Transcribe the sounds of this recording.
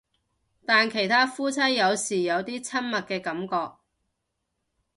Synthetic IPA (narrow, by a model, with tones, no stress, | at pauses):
t̪aː˨nkʰe˨˩jt̪ʰaː˥fuː˥t͡sʰɐ˥jːɐ˨˧wsiː˨˩jɐ˨˧wt̪iː˥t͡sʰɐ˥nmɐ˨t̚kɛː˧kɐ˨˥mkɔː˧k̚